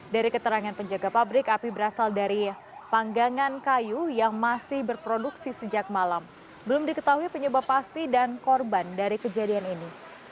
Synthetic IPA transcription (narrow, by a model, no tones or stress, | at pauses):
daɾikət̪əɾaŋanpəɲd͡ʒaɡapabɾɪkapibəɾasaldaɾi | paŋɡaŋankajujaŋmasɪhbərpɾoduksisəd͡ʒak̚malam | bəlʊmdikət̪aɦuipəɲubahpast̪idankɔrbandaɾikəd͡ʒadianini